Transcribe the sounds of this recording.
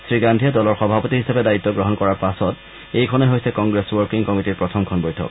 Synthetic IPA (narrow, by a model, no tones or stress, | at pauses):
sɹiɡandʱijadɔlɔɹxɔbʱapɔtiɦisapɛdait̪ːɔɡɹɔɦɔnkɔɹaɹpasɔt | ejkʰɔnɔɦojsɛkɔŋɡɹeswɔɹkiŋkɔmitiɹpɹɔtʰɔmkʰɔnbojtʰɔ̰k